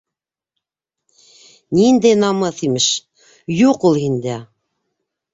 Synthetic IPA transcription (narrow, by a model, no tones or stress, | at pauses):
nind̪æjnɑmɤθimɘʃ | juqulˠhind̪æ